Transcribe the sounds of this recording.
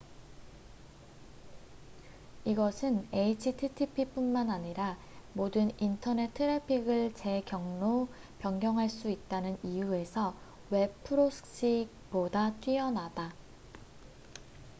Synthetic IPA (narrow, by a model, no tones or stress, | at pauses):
iɡʌsʰɯne̞it͡ɕʰitʰitʰipʰip͈unmanaɲiɾa | modɯnintʰʌne̞tʰɯɾepʰiɡɯɭt͡ɕe̞kjʌŋno | pjʌŋɡjʌŋɦaɭs͈uit̚t͈anɯnijue̞sʰʌ | we̞pʰɯɾosʰɯ̥ks͈ik̚ | podat͈wiʌnada